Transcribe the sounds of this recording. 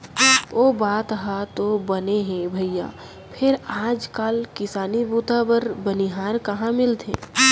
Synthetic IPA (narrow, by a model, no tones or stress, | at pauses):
oːbaːt̪ɦat̪obɐneɦɛ̃bʱəjja̰ː | pʰɪɾaːd͡ʒkaːlkɪsaːnibuːt̪abəɾbəniɦaːɾkɐɦãmɪlt̪ʰḛ̃ː